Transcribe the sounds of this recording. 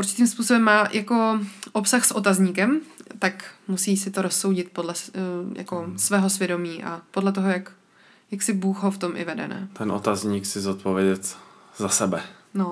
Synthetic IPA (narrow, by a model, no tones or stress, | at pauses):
uɾt͡ʃɪ̥t̪iːmspuːsobɛmːaːjako̞ʔopsaxsʔot̪azɲiːkɛmt̪akmusiːsɪt̪oɾosːo̞wɟɪt̪̚podlɛja̰ko̞svɛːɦo̞svjɛdo̞miːʔa̰po̞dlɛt̪oɦojak | jaksɪbuːxɦoft̪o̞mʔɪ̰vɛdɛ̰nɛ̰t̪ɛnʔo̰t̪azɲiːksɪzot̪̚povjɛɟɛt̪ | zasɛbɛno